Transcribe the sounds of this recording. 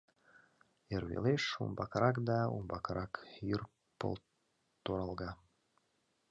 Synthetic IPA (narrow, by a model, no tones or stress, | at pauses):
eɾβḛleʃṵmbɑkɾɑkd̪ɑṵmbɑkɾɑkyr | po̰l | t̪oɾɑlˠɣɑ